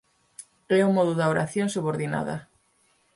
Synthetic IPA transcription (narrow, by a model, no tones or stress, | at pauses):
ɛumɔðʊðaoɾaθjoŋsuβoɾðina̰ðɐ̰